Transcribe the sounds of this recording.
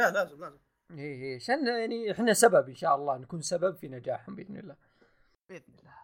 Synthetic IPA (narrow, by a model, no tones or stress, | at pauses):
lalaːzɪmlaːzɪ | hiːɦiːʕaʃaːnjaʕniħɪnːasababʔɪnʃaːʔɑlˤːɑːnakuːnsababfinad͡ʒaːħhʊmbʔɪðnɪ̰lːaː | bʔɪðnɪlːa